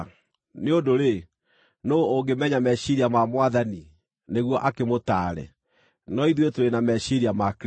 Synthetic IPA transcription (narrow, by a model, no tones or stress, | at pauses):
neodoɾe | noːŋɡemɛɲamɛɕiɾiamamwaðani | neɣwɔʔakemotaːɾɛ̰ | nɔiðwetoɾenamɛʃiɾiamak